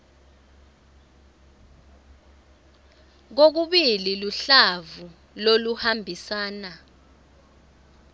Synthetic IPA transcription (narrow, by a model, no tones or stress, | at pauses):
k̬ok̬uɓililuɬavu | loluhambʱisaːna